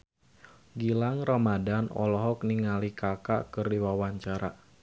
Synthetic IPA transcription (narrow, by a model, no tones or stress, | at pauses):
ɡilaŋramadanɔ̰lɔɦɔk̚niŋalikaka̰kɨrdiwawaɲt͡ʃaɾa̰